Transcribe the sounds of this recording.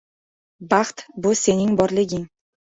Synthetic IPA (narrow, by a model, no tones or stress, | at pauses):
bɑχt̪bʊse̞nɪŋbɒɾlˠɪɡʲɪŋ